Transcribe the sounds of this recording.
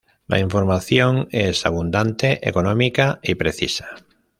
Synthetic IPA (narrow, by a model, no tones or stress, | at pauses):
lʔa̰iɱfoɾmaθjoŋesa̰β̞und̪ant̪eʔḛkonõmikaipɾeθisḁ